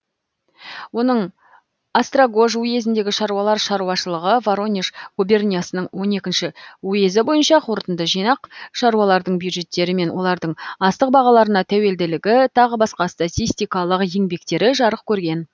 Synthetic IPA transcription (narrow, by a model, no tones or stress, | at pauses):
wo̞nəɴ | ast̪raɡo̞ʒuje̞zɪnd̪e̞ɡʲɪʃɑɾuwɑlˠɑɾʃɑɾuwɑʃəlˠəʁəvaɾo̞nʲiʃɡ̥ubʲe̞rnʲijasənəɴwo̞ne̞kʲɪnʃɪwuje̞zɪbo̞jənʃɑqʰoɾət̪ənd̪əʒijnɑqʃɑɾuɑlˠɑɾd̪əɴbjud̪ʒe̞t̪ːe̞ɾɪme̞nwʔo̞̰lˠɑɾd̪əɴɑst̪əq̚bɑʁɑlˠɑɾənɑt̪ʰæwe̞ld̪ɪlɪɡʲɪt̪ʰɑʁəbɑsqɑst̪at̪ʲijst̪ijkɑlˠəqje̞ŋbe̞kt̪e̞ɾɪʒɑɾəq̚kʲʰɵɾɡʲe̞n